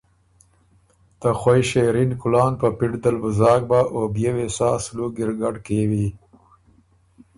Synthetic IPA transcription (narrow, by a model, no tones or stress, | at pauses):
t̪əxwajʃeɾinkʊlɑːnpəpiʈd̪əlbʊzɑːɡ̚baʔobjewesɑsluɡɪɾɡaɖkewi